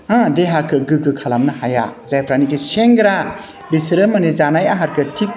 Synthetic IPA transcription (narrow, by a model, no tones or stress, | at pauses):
ãdeɦakʰɯɡɯɡɯkʰalamnɯhaja̰zajpʰɾanikiseŋɡɾa | bisɾɯmɐnezanajaɦaɾkɯtʰik̚